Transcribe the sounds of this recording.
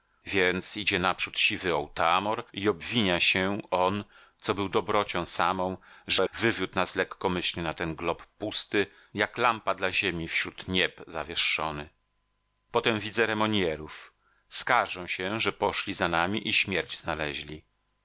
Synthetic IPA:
vʲjɛnt̪sid͡ʑɛnapʂut̪ɕivɘɔwt̪amɔɾiɔbvʲiɲaɕɛɔn | t̪sɔbɘwd̪ɔbɾɔt͡ɕɔ̃w̃samɔ̃w̃ʐɛvɘvʲjut̪naslɛkːɔmɘɕlʲɘnat̪ɛnɡlɔpːust̪ɘ | jaklampad̪laʑemʲifɕɾut̪ɲɛpzavʲjɛʂːɔnɘ | pɔt̪ɛmvʲid̪zɛɾɛmɔɲjɛɾuf | skaʐɛw̃ɕɛʐɛpɔʂlʲizanamʲiʔiɕmʲjɛɾd͡ʑznalɛʑlʲi

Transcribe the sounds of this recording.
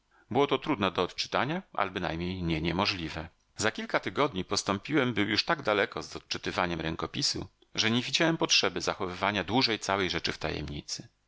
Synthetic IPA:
bɘwɔt̪ɔt̪ɾud̪nɛd̪ɔːt̪t͡ʂɘ̥t̪aɲaʔa̰lbɘna̰jmɲejɲɛɲɛmɔʐlʲivɛ | zakʲilkat̪ɘɡɔd̪ɲipɔst̪ɔmpʲiwɛmbɘwjuʂt̪aɡd̪alɛkɔzɔt̪̚t͡ʂɘt̪ɘvaɲɛmɾɛŋkɔpʲisṵ | ʐɛɲevʲid͡ʑawɛmpɔtʂɛbɘzaxɔvɘvaɲad̪wuʐɛjt̪sawɛjʐɛt͡ʂɘft̪a̰jɛ̰mɲḭt̪sɘ

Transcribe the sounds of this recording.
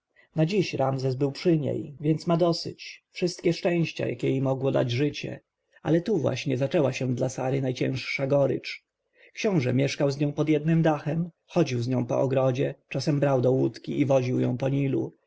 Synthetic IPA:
nad͡ʑiɕɾamzɛsbɘwpʂɘɲḛjvʲjɛnt̪smad̪ɔsɘ̰t͡ɕfʂɘst̪̚kʲɛʂt͡ʂɛ̃w̃ɕt͡ɕa̰ja̰kʲɛimɔɡwɔd̪a̰d͡ʑʐɘt͡ɕɛ̰ | a̰lɛt̪uvwa̰ɕɲɛzat͡ʂɛwaɕɛd̪lasaɾɘnajt͡ɕɛ̰̃w̃ʂʂaɡɔɾɘ̰t͡ʂ | kɕɔ̃w̃ʐɛmʲjɛʂkawzɲɔ̃w̃pɔd̪jɛd̪nɘmd̪axɛm | xɔd͡ʑiwzɲɔ̃w̃pɔ̰ʔɔɡɾɔd͡ʑɛt͡ʂasɛmbɾawd̪ɔwut̪kʲiivɔʑiwjɔ̰̃w̃pɔɲilṵ

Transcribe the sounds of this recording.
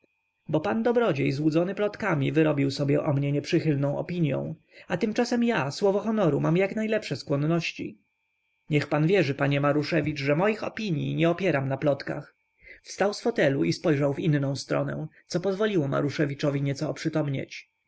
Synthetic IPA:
bɔpand̪ɔbɾɔd͡ʑejzwud̪zɔnɘplɔt̪kamʲivɘɾɔbʲiwsɔbʲjɛʔɔmɲɛɲɛpʂɘxɘlnɔ̃w̃ɔ̰pʲiɲjɔ̰̃w̃ | at̪ɘmt͡ʂasɛmjaswɔvɔxɔnɔɾumamjaknajlɛpʂɛskwɔnːɔɕt͡ɕḭ | ɲɛxpanvʲjɛʐɘpaɲɛmaɾuʂɛvʲit͡ʂʐɛmɔjixɔ̰pʲiɲjḭɲɛɔpʲjɛɾamnaplɔt̪ka̰x | fst̪awsfɔt̪ɛluʔispɔjʐawvinnɔ̃w̃st̪ɾɔ̰nɛ̰̃t̪sɔpɔzvɔlʲiwɔma̰ɾuʂɛvʲit͡ʂɔvʲiɲɛt̪sɔːpʂɘt̪ɔmɲḛt͡ɕ

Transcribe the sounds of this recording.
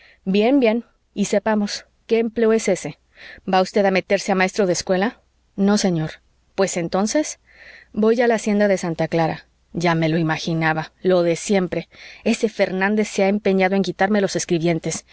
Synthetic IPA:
bje̞mbje̞n | ise̞pamo̞s | ke̞ːmple̞oe̞se̞se̞ | baust̪e̞ðame̞t̪e̞ɾse̞amae̞st̪ɾo̞ðeskwe̞la | no̞se̞ɲo̞ɾ | pwe̞se̞nt̪o̞nse̞s | bo̞jʝalaːsje̞nd̪aðe̞sant̪aklaɾa̰ | ʝame̞lo̞imaxinaβalo̞ðe̞sje̞mpɾe̞e̞se̞fe̞ɾnãnd̪e̞sːeaempe̞ɲaðo̞e̞ŋkit̪aɾme̞lo̞se̞skɾiβje̞nt̪e̞s

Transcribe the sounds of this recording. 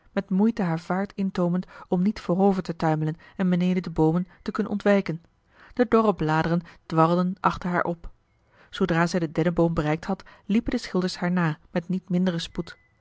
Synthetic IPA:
mɛtmujtəɦaːɹv̥aːɹtɪntowməntɔmnitfʊːrowvəɹtətœɥmələn | ɛnbənejdədəbowməntəkɵnə̰nɔ̰ntʋɛjkən | d̥ədɔrəblaːdərənd̥ʋɑrlˠdənʔɑχtəɹɦa̰ːɹʔɔp | z̥owdraːzɛjdədɛnəbowmbərɛjk̚thɑtlipəndəsχɪlˠdəɹshaːɹnaːmɛtnitmɪndərəsput

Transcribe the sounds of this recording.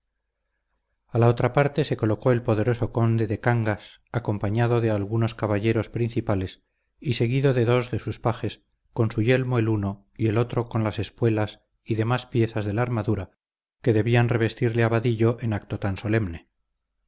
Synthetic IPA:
alao̞t̪ɾapaɾt̪e̞seko̞lo̞ko̞e̞lpo̞ðe̞ɾo̞so̞ko̞nd̪e̞ðe̞kaŋɡas | ako̞mpaɲaðo̞ðe̞alɣuno̞skaβaʝe̞ɾo̞spɾinθipale̞s | ise̞ɣiðo̞ðe̞ðo̞zðe̞suspaxe̞s | ko̞nsuʝe̞lmo̞e̞luno̞ | ie̞lo̞t̪ɾo̞ko̞nlase̞spwe̞las | iðe̞maspje̞θazðe̞laaɾmaðuɾa | ke̞ðe̞βianre̞β̞e̞st̪iɾleaβaðiʎo̞ʔenakt̪ot̪anso̞le̞mne̞

